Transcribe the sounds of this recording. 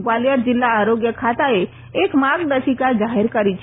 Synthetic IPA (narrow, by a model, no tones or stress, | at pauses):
ɡwalijəɾd͡ʒilːaːɾoɡjəkʰat̪ae | ekmaɡd̪əsikad͡ʒaɦeɾkəɾit͡ʃʰ